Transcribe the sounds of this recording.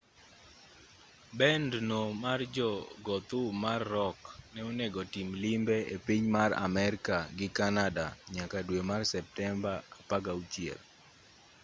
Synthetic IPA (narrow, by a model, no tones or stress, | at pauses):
bɛndnomard͡ʒɔɡɔt̪ʊmarːɔknɛonɛɡɔtimlimbɛepiɲmara̰mɛɾɪkaɡɪkanadaɲakadwemarsɛp̚tɛmbaapaɡaut͡ʃiɛ̰l